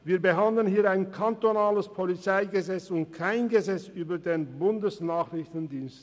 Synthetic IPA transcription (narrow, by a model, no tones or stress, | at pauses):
viːɐbəɦandlənhiːaɪnkʰantonaːləspʰolit͡saɪɡəzɛt͡sʊnt̚kʰaɪnɡəzɛt͡syːbɐdeːnbʊndəsnaːχʁɪçtn̩diːnst